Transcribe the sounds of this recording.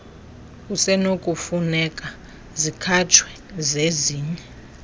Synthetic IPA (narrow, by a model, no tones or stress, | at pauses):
kusɛnokʼufunɛkʼa | zikʰat͡ʃʰwɛ | zeziːɲɛ